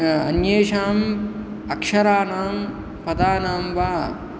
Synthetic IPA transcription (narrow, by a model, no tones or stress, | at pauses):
ɐnjeːʂaːm | ɐkʂɐɾaːnaːm | pɐd̪aːnaːmʋaː